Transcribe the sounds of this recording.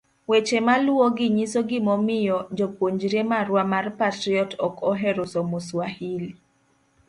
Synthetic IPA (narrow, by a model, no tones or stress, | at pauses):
wet͡ʃemalwoɡɪɲisoɡɪmɔmɪjɔd͡ʒopoɲd͡ʒɾemaɾwamarpatɾiɔtɔkʰɔɦɛɾʊsɔmoswahil